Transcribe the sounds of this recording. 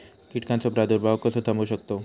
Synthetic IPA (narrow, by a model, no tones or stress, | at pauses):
kiʈkansopɾad̪uɾbʱawkəsot̪ʰamoʃək̚t̪o